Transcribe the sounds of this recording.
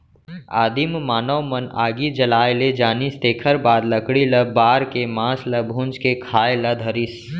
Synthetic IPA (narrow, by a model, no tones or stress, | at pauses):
aːd̪immaːnəwmɐnaːɡid͡ʒɐlaːeled͡ʒaːnist̪eːkʰəɾbaːd̪lɐkɽilɐbaːɾkemãːslɐbʱʊ̃nt͡ʃkekʰaːelɐd̪ʱɐɾis